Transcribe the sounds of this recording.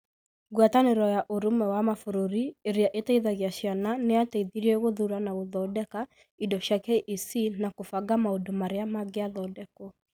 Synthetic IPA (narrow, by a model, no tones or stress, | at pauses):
ɣwataneɾɔjaʔoɾumɛwamafoɾoɾieɾeaʔetaiðaɣjaʃjananeateiðiɾɛɣoðuɾanaɣoðɔdɛka | idɔɕjakɛʔisinakofaɡamaodomaɾeamaɡeaðɔːdɛkɔ